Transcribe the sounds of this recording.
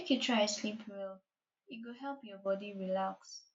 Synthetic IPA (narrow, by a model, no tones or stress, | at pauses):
ekjutʰɹaɪslipʰwɪl | ɪɡoɦɛlˠpjɔbɔdiɹilaks